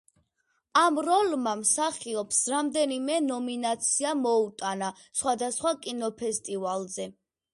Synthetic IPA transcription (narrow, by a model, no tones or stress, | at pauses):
amɾɔlmamsaχiɔpsɾamd̪ɛnimɛnɔminat̪sʰiamɔut̪ʼana | sχwad̪asχwakʼinɔpʰɛst̪ʼivalzɛ